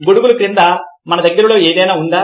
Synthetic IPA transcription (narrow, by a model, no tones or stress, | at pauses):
ɡoɽuɡulukɾind̪amɐnɐd̪ɐɡɐɾɐlo̞ːeːd̪ɐjnaːund̪aː